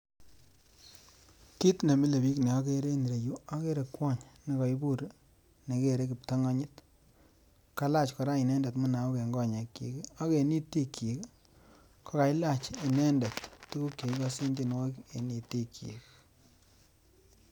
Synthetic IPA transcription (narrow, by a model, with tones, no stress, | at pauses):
ki˦tne˨mi˦le˨bi˦kne˨ɔ˦ke˦ɾe˦ni˨ɾe˨ju˦a˦ke˦ɾe˨kwɔ˦˨ɲne˨kɔ˨i˦bu˦˨ɾ | ne˨ke˦˨ɾe˦ki˨p̚ta˦ŋa˦ɲi˦t | ka˦la˦t͡ʃkɔ˨ɾa˦i˨nɛ˦nda˨tmu˦na˨o˦ke˨ŋɡɔ˦ɲe˨kːḭ˨ka˦ke˨ni˦ti˦kːi˨k | kʰɔ˦ka˨jla˦t͡ʃi˨nɛ˦ndɐ˨tːu˦ku˦kje˨i˦kɔ˦si˦ndi˦nwɔ˦ke˨ni˨ti˦kʰḭ˨k